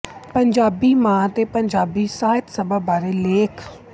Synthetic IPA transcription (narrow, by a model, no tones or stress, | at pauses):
pəɲd͡ʒaːbiːmãːt̪eːpəɲd͡ʒaːbiːsaːɪt̪səbaːbaːɾeːleːkʰ